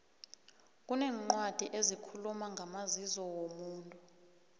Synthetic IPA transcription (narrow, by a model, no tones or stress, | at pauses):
k̬ʼunɛːŋ͡ǃwad̥ʱiʔezikʰulumaŋʱamazizɔwomuːntʼu